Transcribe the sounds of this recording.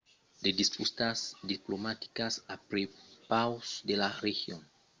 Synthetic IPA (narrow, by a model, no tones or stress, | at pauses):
d̪ed̪ispust̪asd̪iplomat̪i̥kasapɾepawsd̪elarexjon